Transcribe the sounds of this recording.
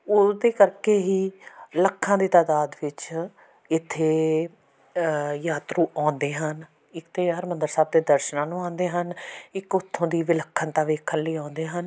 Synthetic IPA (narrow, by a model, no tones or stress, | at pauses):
ʊːd̪eːkəɾkeːɦiːləkʰːãːd̪iːt̪aːd̪aːd̪ʋɪt͡ʃ | ɪt̪ʰːeː | jaːt̪ɾuːʔãːnd̪eːɦən | ɪkt̪eːɦəɾmənd̪əɾsaːb̚d̪eːd̪əɾʃnãːnũːãːnd̪eːɦənɪkʊt̪ʰːõːd̪iːʋɪləkʰːənt̪ãːʋeːkʰənləiːãːnd̪eːɦən